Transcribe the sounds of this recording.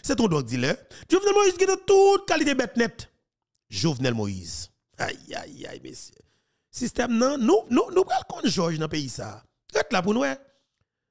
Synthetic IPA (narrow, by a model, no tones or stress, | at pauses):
sɛt̪̬ɔ̃dɔɡ̚d͡zilɛʒovnɛlmoizɡĩnãt̪ut̪̚kalit̪̬ebɛt̪nɛt̪ | ʒovnɛlmoḭz̥ | a̰ja̰ja̰jmḛsjø | sist̪ɛmnɐ̃nũnũnũpɣalkɔ̃nʒɔʒnɐ̃peisa̰ː | ɣɛt̪lap̬unuwɛ